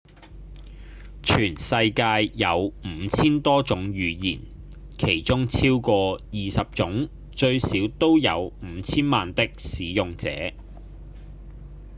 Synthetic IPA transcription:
t͡ʃʰyː˨˩nsɐ˧jkaː˧jːɐ˨˧wm̩ː˨˩˧t͡sʰiː˥nt̪ɔː˥t͡sʊ˨˥ŋjyː˨˧jiː˨˩n | kʰe˨˩jt͡ʃʊ˥ŋt͡sʰiː˥wkɔː˧jiː˨sɐ˨p̚t͡sʊ˨˥ŋ | t͡ʃɵ˧ɥsiː˨˥wt̪o˥wjɐ̰˨˧wm̩ː˨˧˦t͡sʰiː˥nmaː˨nt̪ɪ˥k̚siː˨˥jʊ˨ŋt͡sɛ̰ː˨˥

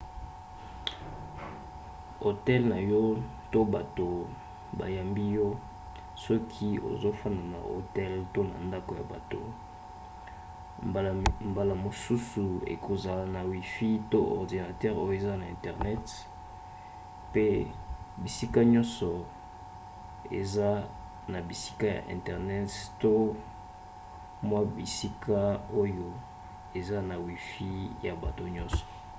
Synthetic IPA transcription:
o˨tɛ˦lna˨jɔ˦ | to˦ba˨to˨ | ba̰˨ja˨mbi˦jɔ˦ | sɔ˦kʰi˦o̰˨zo˦fa˦na˨na̰˨ʔo̰˨tɛ˦lto˦na̰˨nda˦ko˨ja̰˨ba̰˨to˨ | mba˨la˨mo˨su˦su˨ḛ˨kʰo˨za˨la˨na˨wi˨fi˦to˦ʔɔ̰˨ʁdi˨na˨tɛ˦ʁo˦jo˦e˨za˦na˨ɛ̃˨tɛ˨ʁnɛ˦t | pe˦ | bi˨si˦ka˦ɲɔ̃˦nsɔ˨ | ḛ˨za˦ | na˨bi˨si̥˦ka˦ja̰˨ʔɛ̰̃˨tɛ˨ʁnɛ˦tto˦ | mwa˦bi˨si˦kʰa˦o˦jo˦ | e˨za˦na˨wi˨fi˦ja˨ba˨to˨ɲɔ̃˦nsɔ̥˨

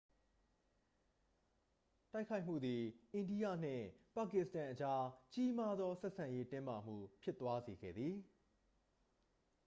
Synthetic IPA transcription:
ta˦ɪkʰa˦ɪʔm̥ṵ˦˨d̪i˨ʔẽ˨ndi˦jä̰˦˨n̥ɪ̰̃˦˨pa˨kɪ˦˨ʔsə̥tã˨ʔət͡ɕa˦t͡ɕi˦ma˦d̪ðɔ˦sɛ˦ʔsã˨je˦tɪ̃˦ma˨m̥ṵ˦˨pʰjɪ˦t̪ːwa˦ze˨ɡɛ̰˦˨d̪ði˨

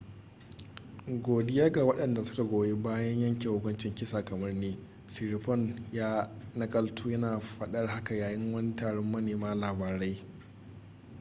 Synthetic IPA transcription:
ɡʷoː˨dɪ˦jaː˦ɡa˨wɐ˦ɗɐ˨nda˨sʊ̥˦ka˨ɡʷoː˨jeː˦baː˦jɐ˦ɲjɐ˦ŋkʲe˨hʊ˦kʷʼʊ˦nt͡ʃɪ˨ŋkʲɪ˦saː˨kɐ˨mɐ˦rneː˦ | si˨ɾi˨pɔ˦˨njaː˦nɐ˦kʼɐ˦ltʰuː˦jɐ˦naː˨ɸɐ˨ɗɐ˦rɦa˦ka˨jaː˨jɪ˦ŋwɐ˦ni˦taː˨ɽɔ˦mːɐ˦neː˨maː˦laː˨baː˨ɾa˦j

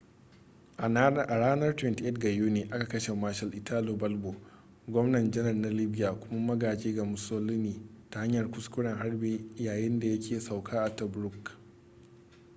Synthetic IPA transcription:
ʔa˨ɽaː˦nɐ˦rtwɛ˦nti˦ʔe˦tɡa˨juː˦neː˨ʔa˦ka˨kɐ˦ʃe˨maː˦ʃɐ˨lʔɪ˨tʰaː˦loː˨bɐ˦lbo˨ | ɡʷɔ˦mnɐ˨nd͡ʒɛ˦ɦɐ˨rna˦lɪ˦bɪ˦jaː˨kʷʊ˦ma˦mɐ˦ɡaː˨d͡ʒeː˦ɡa˨mʊ˨soː˦lɪ˦niː˨ta˨ha˦ɲjɐ˨rkʷʊ˦skʷʊ˦ɽɐ˨ŋɦa˦rbeː˦jaː˨jɪ˦nda˨jɐ˦kʲʰeː˨sa˨wkʰaː˦ʔa˨ta˨bɾʊ˦k

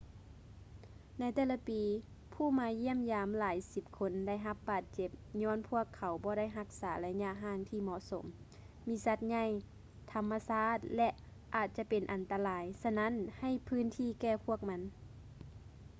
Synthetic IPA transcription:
na˧˥jt̪ɛː˧˩la˧˦piː˨˦ | pʰuː˧˩maː˨˧˥ji˧˥˩əmjaː˨˦mlaː˨˦jsi˧p̚kʰo˧˥nda˥˩jɦa˧˦p̚baː˨˩t̪̚t͡ɕe˧˦p̚ɲɔː˧˥˨npʰu˧˥˩əkʰːa˨˩˦wbɔː˧˦ɾa˥˩jɦa˧˥k̚saː˩˦la˧jɲa˧ʔɦaː˧˩ŋt̪ʰiː˧˩mɔ˧˨ʔso˨˩˦mː | iː˧˥sa˧t̪̚ɲa˧˩˨j | t̪ʰa˧mːa˧saː˧˩˨t̪̚lɛ˧ʔ | ʔaː˨˩t̪̚t͡ɕa˧˦pe˨nʔa˨nt̪a˧laː˨˧˦jsa˧na˧˥˨nha˧˩jpʰɯː˧˥˨nt̪ʰiː˧˥˨kɛː˧pʰu˧˥˩ək̚ma˧˥n

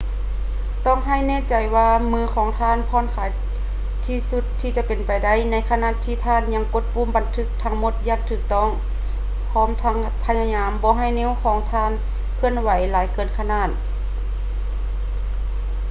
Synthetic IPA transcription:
t̪ɔː˧˥˨ŋɦa˧˩˨jnɛː˧˥˨t͡ɕa˨˩jwaː˧mɯː˧˥˨kʰɔː˨˦ŋt̪ʰaː˧˨npʰɔː˧˥˨nkʰaː˨˦j | t̪ʰiː˧˩su˧˦t̪ʰːiː˧t͡ɕa˧˦pe˨npa˨jda˧˩˨jna˧˥jkʰa˧naː˧˥˨t̪ʰːiː˧˩t̪ʰaː˧˥˨nɲa˧˥ŋko˧˥t̪̚puː˧˥˨mba˨nt̪ʰɯ˧˥k̚t̪ʰa˧˥ŋmo˧˥t̪̚jaː˧˩ŋt̪ʰɯː˧˩k̚t̪ɔː˧˥˨ŋ | pʰɔː˧˥˨mt̪ʰa˧˥ŋ | pʰa˧ɲa˧ɲaː˧˥mbɔː˧˦ɦa˧˩jneː˧˥˨wkʰɔː˨˦ŋt̪ʰaː˧˥˨n | kʰɯ˧˨ənwa˨˦jlaː˨˦jkɤː˧˩nkʰa˧naː˧˩t̪̚

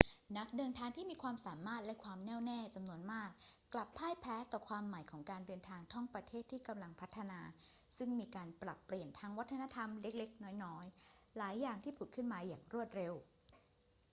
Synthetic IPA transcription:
na˦˥k̚dɤː˧nt̪ʰaː˧ŋt̪ʰiː˥˩miː˧kʰwaː˧msaː˩˦maː˥˩t̪̚lɛ˦˥kʰwaː˧mnɛː˥˩wnɛː˥˩t͡ɕa˧mnu˧ənmaː˥˩k̚ː | la˨˩pʰːaː˥˩jpʰɛː˦˥t̪ɔː˨˩kʰwaː˧mːa˨˩˦jkʰɔː˩˦ŋkaː˧ndɤː˧nt̪ʰaː˧ŋt̪ʰɔ˥˩ŋpɾa˧t̪ʰeː˥˩t̪ʰːiː˥˩ka˧mla˧ŋpʰa˦˥t̪ʰːa˧naː˧ | sɯ˥˩ŋmiː˧kaː˧npɾa˨˩pːli˨˩ənt̪ʰaː˦˥ŋwa˦˥t̪ʰːa˧na˧˥t̪ʰa˧mle˦˥k̚le˦˥k̚nɔː˦˥jnɔː˦˥jlaː˩˦jːaː˨˩ŋt̪ʰiː˥˩pʰu˨˩kʰɯ˥˩nmaː˧jaː˨˩ŋɾu˥˩ət̪̚ɾe˧w

